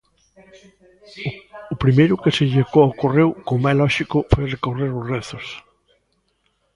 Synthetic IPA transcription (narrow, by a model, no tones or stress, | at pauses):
ʊpɾimejɾʊkeseʎeɣoawkorewkomajlɔʃikʊfojrekoreɾʊzreθʊs